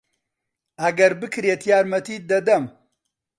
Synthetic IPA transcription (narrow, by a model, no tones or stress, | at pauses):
ɐɡɐɾbɨkʰɾeːt̪ʰjaːɾmɐt̪iːd̪ɐd̪ɐm